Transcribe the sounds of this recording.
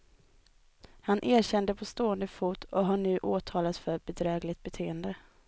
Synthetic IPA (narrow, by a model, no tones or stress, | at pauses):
hanʔeːɾɕɛnd̪əpʰɔst̪oːənd̪əfuːt̪ʰɔɦaɳʉ̟ːʔoːt̪ʰɑːlat̪fœɾbɛd̪ɾɛːɡlɪt̪̚bɛt̪ʰeːənd̪ə